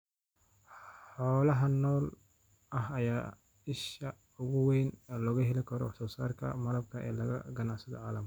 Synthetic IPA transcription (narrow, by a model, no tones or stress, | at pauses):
ħɔːlɐɦɐnɔːl | ʔɐɦɐjaː | ɪʃɐ | ʊɣʊwejnːlɔɣʊɦɛlɪkʰɐɾɔ̰wɑħsɔːsa̰ːrkʰɐ̰mɐlɐb̚kʰɐʔɛ̰ːlɐɣɐ̰ɡɐnaʕsɐðɔ̰ʕaːlɐm